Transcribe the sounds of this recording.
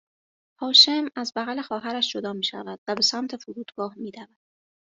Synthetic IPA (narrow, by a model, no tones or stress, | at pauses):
hɒːʃe̞mæzbæɣæle̞xɒːɦæɾæʃd͡ʒo̞d̪ɒːmiːʃæ̰væd̪̥væbe̞sæmt̪ʰe̞foɾuːd̪̥ɡɒːhmiːd̪ævæd̪̥̚